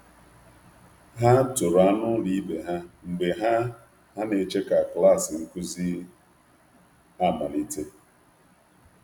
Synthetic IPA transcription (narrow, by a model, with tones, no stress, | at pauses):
ɦa˦tʊ˨ɾa˦nʊ˦li˦be˨ɦa˦ŋ͡m̩˨ɡ͡be˨ɦa˦ | ha˦ne˨t͡ʃe˦ka˨kla˦˨sɪ˨ŋ̩˦kʷu˦zi˦ | a˦˨ma˨li˦te˦